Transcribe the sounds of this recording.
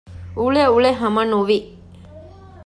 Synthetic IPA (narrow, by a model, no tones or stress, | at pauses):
uɭeuɭeɦɐmɐnuʋi